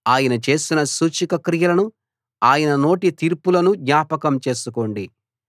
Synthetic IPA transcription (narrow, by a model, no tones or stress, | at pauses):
aːjɐnɐt͡ʃe̞ːsinɐsuːt͡ʃikɐkɾijɐlɐnu | aːjɐnɐno̞ːʈit̪iːɾpulɐnud̪ɲaːpɐkɐmt͡ʃe̞ːsuko̞ːɳɖi